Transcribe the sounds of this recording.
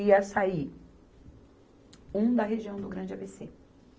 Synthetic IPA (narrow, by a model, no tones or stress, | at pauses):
iɐsai | ũd̪ɐɦeʒiɐ̃w̃d̪ʊɡɾɐ̃d͡ʒɪabese